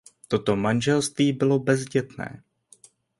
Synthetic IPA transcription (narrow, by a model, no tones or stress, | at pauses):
t̪o̞t̪o̞manʒɛlst̪viːbɪlo̞bɛzɟɛt̪nɛ̰ː